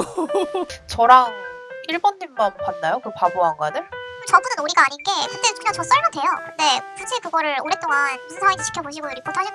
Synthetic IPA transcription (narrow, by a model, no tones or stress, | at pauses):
t͡ɕʌɾaŋiɭbʌnːimːanpanːajokɯpaboɦanɡanet͡ɕʌbunɯnuɾiɡaaɲinɡe̞kɯndekɯɲaŋt͡ɕʌs͈ʌɭɡatʰwe̞jokɯnde̞kɯd͡ʑʰikɯɡʌɾɯɭoɾe̞t͈oŋanisʰɯnsʰaŋitʰet͡ɕʰi̥kʰjʌboɕʰiɡonɯɾik͈ʰːotʰaɕʰi